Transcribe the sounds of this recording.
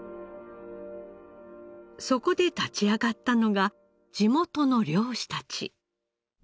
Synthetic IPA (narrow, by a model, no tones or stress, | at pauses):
so̞ko̞d̪e̞t̪at͡ɕiaɡat̪ːano̞ɡa | d͡ʑimo̞t̪o̞no̞ɾʲo̞ːɕi̥t̪at͡ɕḭ